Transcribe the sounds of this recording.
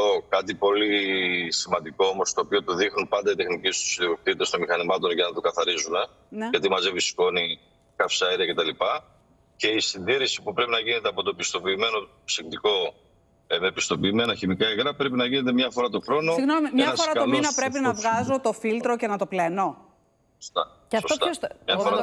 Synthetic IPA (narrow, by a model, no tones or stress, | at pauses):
okɐt̪ipo̞lisimɐnd̪iko̞omo̞st̪o̞ːpio̞t̪uðixnunpɐnd̪ɐit̪e̞xnicist̪u̥siðiok̚t̪it̪est̪o̞nmixɐnimɐt̪o̞nʝɐnɐt̪okɐθɐɾizune | ʝɐt̪̬imɐze̞visko̞ni | kɐfsɐeɾiɐce̞t̪ɐlipɐ | ce̞isind̪iɾisi̥pupɾe̞pinɐʝine̞t̪eɐpo̞t̪o̞pist̪o̞piːme̞no̞ | sekt̪iko̞ | emepist̪o̞piːme̞nɐçimikɐeɣɾɐpɾe̞pinɐʝine̞t̪̬e̞mɲɐfo̞ɾɐt̪oxɾo̞nosɣnonɐfsɾɐtkɐlonɐpɾep̬inɐvɣɐzot̪o̞filt̪ɾoce̞nɐt̪o̞pleno | sost̪ɐ | sot̪ɐɲɐfoɾɐ